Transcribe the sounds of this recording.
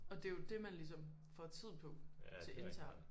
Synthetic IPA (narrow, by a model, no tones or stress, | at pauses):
ɒ̽d̥e̝jo̝d̥e̝mænlis̬ɒ̽m | fɒt͡sʰið̞̰ˠpʰɒ̽t͡sʰe̝ʔe̝nt͡sʰæɐ̰n̩